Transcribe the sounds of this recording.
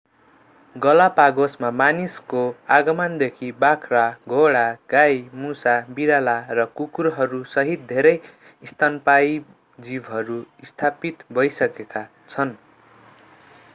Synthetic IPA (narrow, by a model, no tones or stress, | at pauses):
ɡʌlapaɡosmamaniskoaɡʌmʌnd̪ekʰibakʰraɡʱoɽaɡ̥ajmusabiɾalarʌkukuɾɦʌɾusʌɦit̪̚d̪ʱeɾʌj | ist̪ʰanpaj | d͡zibɦʌɾuist̪ʰapit̪bʱʌjsʌkeka | t͡sʰʌn